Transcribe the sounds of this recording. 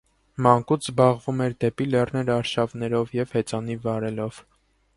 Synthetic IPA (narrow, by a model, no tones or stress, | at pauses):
mɑŋkut͡sʰzbɑʁvumɛɾd̪ɛpilɛrnɛɾɑɾʃɑvn̪ɛɾɔvjɛvhɛt͡sɑnivɑɾɛlɔv̥